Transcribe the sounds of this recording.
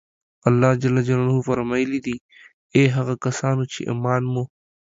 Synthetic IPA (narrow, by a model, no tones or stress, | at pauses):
ɐlːaːd͡ʒɐlːɐd͡ʒɐlanɦufɐɾmaːilid̪iː | eːɦɐɣakɐsaːnut͡ʃʰḭʔḭmaːnmõ